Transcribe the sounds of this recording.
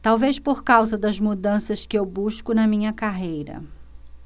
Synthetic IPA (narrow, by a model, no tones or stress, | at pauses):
t̪awvespoɾkawzɐd̪ɐzmud̪ɐ̃sɐskɪewbuʃkʊnɐmĩɲɐkaɦejɾɐ̰